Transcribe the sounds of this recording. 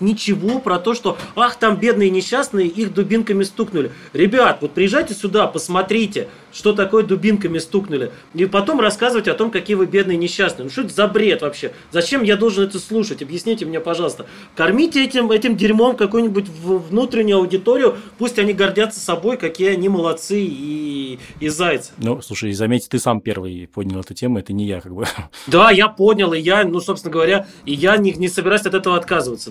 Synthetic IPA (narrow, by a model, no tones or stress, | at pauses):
nʲɪt͡ɕɪvo̞pɾɐt̪o̞ʂt̪o̞axt̪ambʲe̞d̪nɨjənʲɪɕːasnɨjəixd̪ʊbʲinkəmʲɪst̪uknʊlʲɪ | ɾʲɪbʲat̪vo̞t̪̚pɾʲɪjɪʐːajtʲɪsʲʊd̪apəsmɐt̪ɾʲitʲɪ | ʂt̪o̞t̪ɐko̞jəd̪ʊbʲinkəmʲɪst̪uknʊlʲɪ | ipɐt̪o̞mrɐskazɨvətʲɐt̪o̞mkɐkʲijəvɨbʲe̞d̪nɨjənʲɪɕːasnɨənʊʂt̪ot̪zɐbɾʲe̞t̪vɐpɕːe̞ | zɐt͡ɕe̞mjad̪o̞lˠʐɨnɛt̪əslˠuʂətʲɐbjɪsʲnʲijtʲɪmnʲepɐʐɑlˠəst̪ə | kɐrmʲitʲɪɛtʲɪmɛtʲɪmdʲɪɾʲmo̞mkɐkujʊnʲɪbʊtʲvvnut̪ɾʲɪnʲʊjʊɐʊdʲɪt̪oɾʲɪjʊpusʲtʲɐnʲiɡɐrdʲat̪sːə̥sɐbo̞jkɐkʲijanʲɪməlˠɐt̪sɨiː | zajt̪sɨ̥nuslˠuʂəjzɐmʲetʲɪ̥t̪ɨsampʲe̞̰rvɨ̰jpodʲnʲɪlˠɛt̪ʊtʲemʊɛt̪ənʲɪja̰kaɡ̚bɨd̪ajapo̞dʲnʲɪlˠɪjanusopsɪnəɡəvɐɾʲa | ɪjanʲɪnʲɪsəbʲɪɾajsʲɐt̪ɛt̪əvəɐt̪kazɨvət̪sə